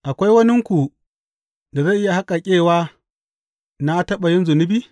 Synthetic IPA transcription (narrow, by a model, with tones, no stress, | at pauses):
ʔa˨kʷa˦jwɐ˦nɪ˦ŋkʷu˨ | da˨za˦˨ʔɪ˦ja˨ha˦kʼa˨kʲʼeː˦˨waː˦ | na˦tɐ˦ɓa˨jɪ˦nzʊ˨nɪ˦biː˦